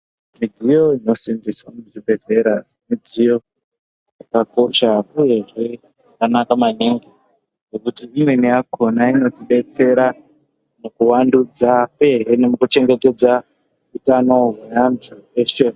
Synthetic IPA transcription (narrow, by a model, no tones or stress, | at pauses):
mid͡zijo̞ino̞sinziswamuʐibʱe̞ze̞ɾad͡zemid͡zijo̞ | jjakako̞ʃakuje̞ʐe | kanakamaniŋɡi | ʐokutiimwenijakʰo̞naino̞tiɓe̞t͡se̞ɾa | mukuwandud͡zapueɦenemukut͡ʃe̞ŋɡe̞te̞d͡za | utanoɦujanzieʃe